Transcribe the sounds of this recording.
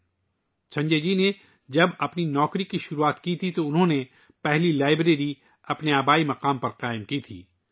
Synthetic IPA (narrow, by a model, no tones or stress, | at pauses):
t͡ʃʰɐ̃ɲd͡ʒeːd͡ʒine | d͡ʒɐbɐpninɔːkɾikiʃʊɾuaːt̪kit̪ʰit̪oʊnɦõne | pɛɦlilaːɪbɾeːɾi | ɐpneaːbaːimɐqaːmpɐɾqaːɪmkit̪ʰḭː